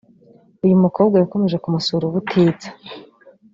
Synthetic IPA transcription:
ujumuko̞ːbɡajako̞me̞ʒe̞kumusuɾuβutʰiːt͡sḁ

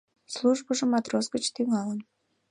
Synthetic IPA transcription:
slˠuʒbəʒəmɑt̪ɾoskət͡ɕt̪iŋɑlən

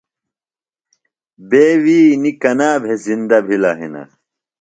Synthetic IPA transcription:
beːwiːnikɐnaːbʱezind̪ɐbʱilɐɦḭnɐ̰

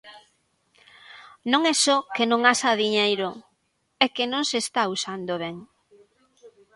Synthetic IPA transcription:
nõŋɛsɔkenõŋasaðiɲejɾo | ɛkenõŋsest̪ausand̪oβ̞ɛŋ

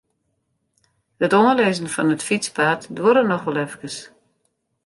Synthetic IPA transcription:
hətonəleːzən̩fɔnətfit͡spaːtdwoɾənɔxʋɔlˠɛfkəs

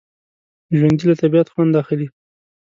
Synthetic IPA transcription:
ʒwand̪ilat̪abijat̪xwand̪axɪli

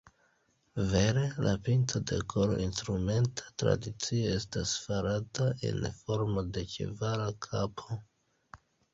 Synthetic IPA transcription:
ve̞ɾe̞lʔapintʰode̞̰kʰolo̰instɾume̞ntʰḁtɾa̰dit͡sio̞e̞stasfaɾatae̞̰nfo̞ɾmo̞de̞t͡ʃḭvaɾakʰapʰo

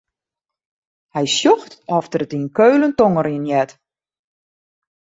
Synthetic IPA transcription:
hɛjsjɔxtɔftərətinkøːləntoŋəɾiənjɛt

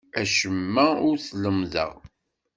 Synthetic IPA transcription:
æʃəmːæʊɾθləmðə̰ʁ

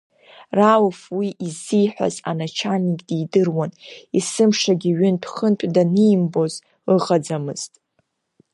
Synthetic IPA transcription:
rawfwiʔizːijħʷᶣa̰za̰nat͡ʃʰanikʲʼdidɨrwanisɨmʂaɡʲiɥʏntʰχənpʷʼdanijmbo̞z | lɨʁad͡zamɨz̥tʼ

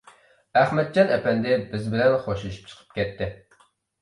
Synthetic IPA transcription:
æχmɛt̪̚d͡ʒɑnɛpɛnd̪ɪbɪzbɪlɛnχoʃuluʃy̥p̚t͡ʃʰə̥qʰə̥p̚kʲɛt̪ːɪ

